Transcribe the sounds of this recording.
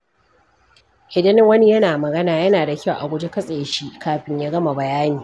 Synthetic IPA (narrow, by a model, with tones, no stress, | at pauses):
hɪ˨dɪ˦nɪ˦ŋwɐ˦ni˦jɐ˦naː˨mɐ˨ɡɐ˦naː˨jɐ˦naː˨da˨kʲa˦˨wʔa̰˨ɡʷʊ˦d͡ʒe˦kɐ˦sʼe˨jʃi˦ʔkaː˨ɸɪ˦ɲjaː˦ɡɐ˦ma˨bɐ˨jaː˦niː˨